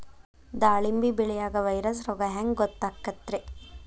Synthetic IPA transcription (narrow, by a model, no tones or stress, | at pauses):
d̪aːɭimbibɛɭɛjaːɡɐʋɐjɾɐsɾɔɡɐɦaŋɡɡɔt̪ːaːkːɐt̪ːɾe